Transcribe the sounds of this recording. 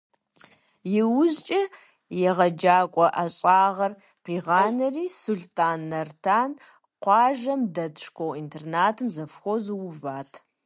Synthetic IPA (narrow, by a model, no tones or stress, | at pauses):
jɪwʊʑt͡ʃʼɐ | jɛʁɐd͡ʒaːkʷʼɔʔaɕʼaːʁɐr | qiːʁɑːnɐriːsuɮtʰʼaːnːɐrtʰaːn | qʷɑːʒɐmdɐdʂkʷʰowintʰernaːtʰɨmzɐfxʷozɨwʊvaːtʰ